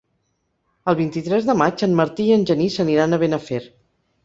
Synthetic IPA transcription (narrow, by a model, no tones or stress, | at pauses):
əlˠβ̞int̪it̪ɾɛzðəmat͡ʃənməɾt̪iːənʲʒənisəniɾanəβenəfeɾ